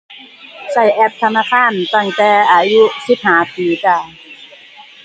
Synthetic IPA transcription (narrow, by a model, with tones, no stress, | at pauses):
sa˨˩jʔɛ˦˥p̚t̪ʰa˧naː˧˩kʰaː˧˥˩nt̪a˧˩ŋt̪ɛː˨˧˩ʔaː˧ju˦˥ʔsi˨˩p̚haː˩˦piː˧kaː˧˩